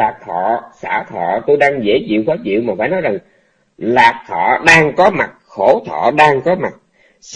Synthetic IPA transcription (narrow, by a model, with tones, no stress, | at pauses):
aː˨˩k̚t̪ʰɔ̰˧˨sa̰ː˧˩t̪ʰɔ̰˧˨t̪o˧jɗaː˧ŋzḛ˧˥zḭ˧˨wkɔː˨˦t͡ɕḭ˧˨wmaː˨˩faː˧˦jnɔ˨˦jza˨˩ŋ | laː˨˩k̚t̪ʰɔ̰˧˨ɗaː˧ŋkɔ˨˦ma˨˩k̚xo˧˩t̪ʰɔ̰˧˨ɗaː˧ŋkɔ˨˦ma˨˩k̚ | s